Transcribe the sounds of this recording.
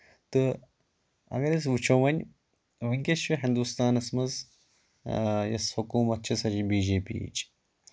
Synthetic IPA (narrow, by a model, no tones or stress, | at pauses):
t̪ɨ | ɐ̰ɡɐɾʲɐs̬ʋut͡ʃʰoʋɐnʲ | ʋɨŋkʲeʃʋiɦind̪ust̪aːnɐsmɐz | jɐ̰shukuːmɐt̪̚t͡ʃʰisɐt͡ʃibiːd͡ʒeːpḭːt͡ʃ